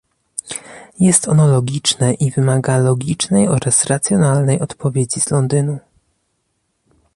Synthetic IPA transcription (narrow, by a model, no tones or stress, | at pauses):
jɛst̪ɔnɔlɔɡʲit͡ʂnɛʔivɘmaɡalɔɡʲit͡ʂnɛjɔɾasɾat̪sʲjɔnalnɛjɔt̪pʰɔvʲjed͡ʑiz̥lɔnd̪ɘnu